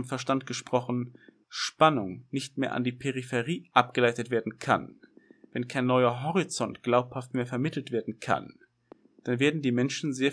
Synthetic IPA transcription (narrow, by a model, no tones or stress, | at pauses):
mfɛɐʃtantɡ̥əʃpʁ̥ɔχn̩ | ʃpanʊŋnɪçtmeːɐʔa̰ndiːpʰeʁifeʁiːʔap̚ɡ̥əlaɪtətv̥eːɐdn̩kʰa̰n | vɛnkʰaɪnːɔʏɐɦɔʁit͡sɔntɡ̥laʊphaftmeːɐfɛɐmɪtʰl̩tv̥eːɐdn̩kʰa̰n | d̥anveːɐdn̩diːmɛnʃn̩zeːɐ